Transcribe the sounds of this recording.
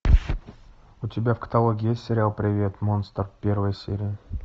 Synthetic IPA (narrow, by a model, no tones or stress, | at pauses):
ʊtʲɪbʲafkə̥t̪alˠoɡʲɪjesʲtʲsʲɪɾʲɪalˠpɾʲɪvʲet̪monst̪ərpʲe̞rvəjəsʲḛɾʲɪjɪ